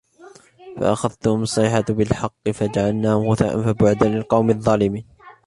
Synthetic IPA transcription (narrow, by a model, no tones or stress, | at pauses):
fa̰ʔaxaðt̪ʊhʊmʊsˤɪħabɪlħɑqːɨfad͡ʒaʕalnaːhʊmɣʊθa̰ʔa̰nfabʊʕʊd̪alɪlqɑwmɪðˤːɑːlɪmiːn